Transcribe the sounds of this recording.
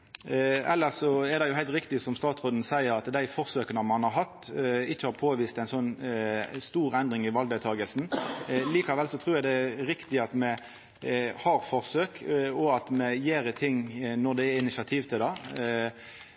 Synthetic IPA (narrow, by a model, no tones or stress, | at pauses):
ɛ̰lːəsɔɛɾd̪ɛjʊhæɪlt̪ɾɪkt̪ɪsɔmst̪ɑːt̪sʁoːd̪n̩sæɪəɾɑt̪d̪æɪfɔʁsøːkənəmɑnhɑɾɦɑt̪ːɪt͡ʃːəhɑɾpʰoːʋiːst̪æɪnsɔnː | st̪uːɾɛnd̪ɾɪŋɪʋɑld̪æt̪ʰɑːɡəlsn̩liːkɑʋɛlsɔt̪ʰɾuːjæɪd̪ɛɾɪkt̪ɪɑt̪mɛ | hɑɾfɔʁsøːkɔɑt̪mɛjeːɾət̪ʰɪŋːnɔd̪ɛɛɪnɪsɑt̪ʰiːʋt̪ʰɪld̪ɑ